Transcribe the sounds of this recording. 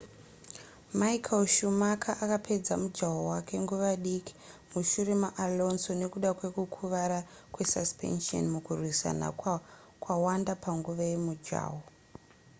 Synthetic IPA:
maikʰalʃumakʰaʔakapʰe̞d͡zamud͡ʒawowake̞ŋɡuʋaɗiki̥muʃuɾemaʔalo̞nsone̞kuɗakwe̞kukʰuʋaɾa | kwe̞saspḛnʃio̰nmukurwisa̰na̰ | kwawandapaŋɡuʋaje̞mud͡ʒa̰ːwo

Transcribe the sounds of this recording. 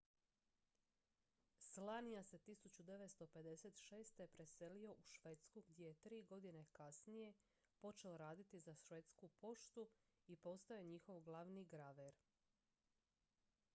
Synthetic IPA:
slanijase̞t̪isut͡ɕud̪e̞ʋet̪st̪o̞pe̞d̪e̞set̪ʃe̞ːst̪epɾe̞se̞lio̞ʔuʃʋe̞t̪skuɡd̪je̞jet̪ɾiːɡo̞d̪ine̞kasnije̞ | po̞t͡ʃe̞oɾaːd̪it̪izaʃʋet̪skupo̞ʃt̪uipo̞st̪aoɲixo̞ʋɡlˠaʋniɡɾaʋeɾ

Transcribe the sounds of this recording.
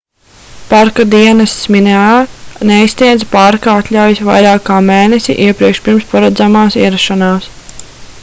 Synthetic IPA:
paɾkad̪iɛnɐst̪smineaːneist̪niɛd̪zpaɾkaat̪lʲawjisʋa̰jɾaːkkːaːmeːnesḭʔiɛpɾiɛkʃpʲiɾmspaɾad̪zamaːsiɛɾaʃɔnaːs

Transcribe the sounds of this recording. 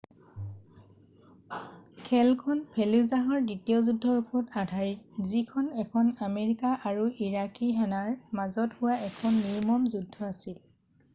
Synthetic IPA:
kʰɛlkʰɔnpʰeluzaɦɔɹditijɔzudʱːɔɹukʰɔtadʱaɹizikʰɔnɛkʰɔnameɹikaʔaɹuʔiɹakiɦanaɹmazɔthʊwaɛkʰɔnːiɹmɔmzudʱːɔasil

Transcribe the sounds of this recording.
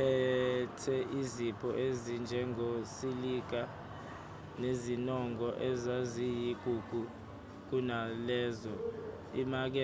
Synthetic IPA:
ɛtʰɛʔizipʰɔʔezind͡ʒʱɛŋosilik̬a | nezinɔŋɡɔʔɛzazijiɡ̥ʱuɡ̥ʱu | k̬unalɛːzɔ | imak̬ɛ

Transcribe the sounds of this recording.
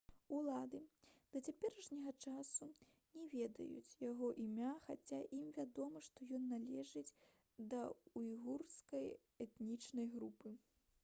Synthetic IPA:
ulˠad̪ɨd̪̥ɐt͡sʲapʲɛɾɐʂnʲɐɣɐt͡ʂasu | nʲɛvʲɛd̪ɐ̰jṵt͡sʲjaɣɔʔimʲaxat͡sʲaʔimvʲad̪ɔmɐʂt̪ɔjɔnːalʲɛʐɨd͡zʲ | d̪ɐujiɣurskɐj | ɛt̪nʲit͡ʂnɐjɣɾupɨ

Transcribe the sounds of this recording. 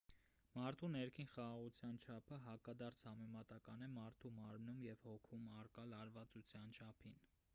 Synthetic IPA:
mɑɾt̪ʰunɛɾkʰinχɑʁɑʁut͡sʰjɑnt͡ʃʰɑpʰəɦɑkɑd̪ɑɾt͡sʰhɑmɛmɑt̪ɑkɑnɛmɑɾt̪ʰumɑɾmnumjɛvhɔkʰumɑrkɑlɑɾvɑt͡sut͡sʰjɑnt͡ʃʰɑpʰin

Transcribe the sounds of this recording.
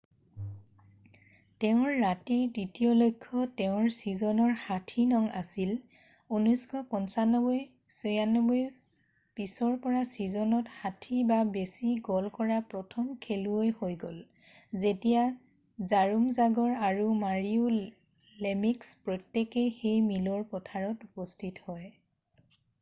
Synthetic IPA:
teʊ̃ɹːatiɹdɹitijɔlojkʰːɔteʊ̃ɹsizɔnɔɹxatʰinɔŋa̰sil | unɔskʰɔpɔnsanɔbɔj | sɔjanːɔbɔjs | pisɔɹpɔɹasizɔnɔtxatʰibabesiɡɔlkɔɹapɹɔtʰɔmkʰeluojhojɡol | zetija | zaɹumzaɡɔɹaɹumaɹiʊ | lemikspɹɔtːekexejmilɔɹpɔtʰaɹɔtupɔstʰithɔj

